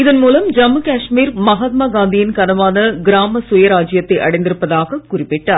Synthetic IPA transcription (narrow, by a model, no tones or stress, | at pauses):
ɪðɐnmuːlɐmd͡ʒɐmːɐkaːʂmiːɾmɐɦaːt̪̚maːɡaːnd̪ɪjɪnkɐnɐʋaːnɐɡɪɾaːmɐsʊjɐɾaːd͡ʒɪjɐt̪ːɐɪʔɐɽɐɪnd̪ɪɾɯpːɐðaːɣɐkʊrɪpːɛʈːaːɾ